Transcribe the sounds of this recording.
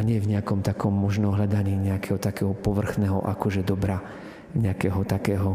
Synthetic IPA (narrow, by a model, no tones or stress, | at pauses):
aɲɪɛvɲɛakɔmt̪akɔmːɔʒnɔɦʎad̪aɲiːɲɛakɛɦɔt̪akɛːɦɔpɔʋr̩xnɛːɦɔ̰ʔa̰kɔʒɛd̪ɔbɾa | ɲɛakɛːɦɔt̪akɛːɦɔ